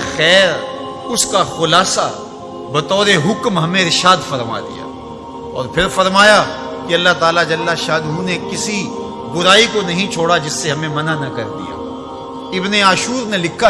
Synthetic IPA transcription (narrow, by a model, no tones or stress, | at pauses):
xɛːɾ | ʊskaxʊlaːsa | bɐt̪ɔːɾeɦʊkmɦɐmẽɾɪʃaːd̪fɐɾma̰d̪ḭja̰ː | ɔ̰ːɾpʰɪɾfɐɾmaːja | kiɐlːaɦt̪aːlad͡ʒɐlːaʃaːd̪ɦunekɪsi | bʊɾaːikonɐɦĩt͡ʃʰoːɽad͡ʒɪsːeɦɐmẽmɐnanɐkɐ̰ɾd̪ḭja̰ː | ɪbneaːʃuːɾnelɪkʰːa